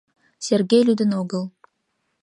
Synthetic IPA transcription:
sʲerɡejlyd̪ə̆noɣəl

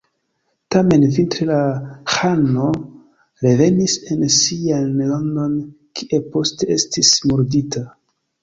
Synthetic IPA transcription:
tame̞nvintɾelaxano̞ | ɾe̞ve̞nise̞nsianlando̞n | kʰiʔe̞po̞ste̞e̞stismoɾdita

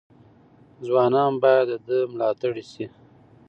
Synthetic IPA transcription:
zwɑnɑnbɑjad̪əd̪əmlɑt̪aɽisi

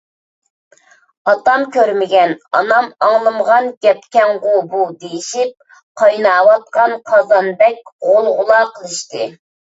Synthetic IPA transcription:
ɑt̪ɑmkʲøɾmɪɡʲɛnɑ̰nɑmɑŋlˠɨmʁɑnɡʲɛpkʲɛŋʁʊbud̪ejiʃip̚ | qʰɑjnɑːwɑt̪̚qɑnqʰɑzɑnb̪ɛk̚ʲʁolˠʁʊlˠɑːqʰəlˠɨʃt̪ɨ

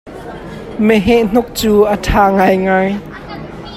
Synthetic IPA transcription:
mɛɦɛʔn̥ʊk̚t͡suːʔətʰaːŋajŋaj

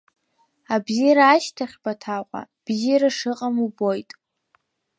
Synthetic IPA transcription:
abziɾaːʃtʰaχʲbatʰaqʷʼa̰ | b̥ziɾaʂɨqʼamubo̞jtʼ

